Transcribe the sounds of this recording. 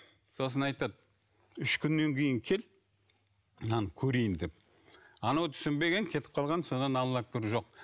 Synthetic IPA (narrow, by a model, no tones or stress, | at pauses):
so̞s̬ənɑjt̪ɑd̪̚ | ʏʃkʲʰʏnːe̞ŋkʲʰe̞jɪŋkʲʰe̞l | nɑnkʲʰɵɾejɪnd̪e̞p̚ | ɑnɑwt̪ʰʏ̥sɪmbe̞ɡʲe̞ŋkʲʰe̞t̪ɪ̥p̚qʰɑlˠʁɑnso̞nɑnɑlˠːɑk̚bɪɾʒo̞q̚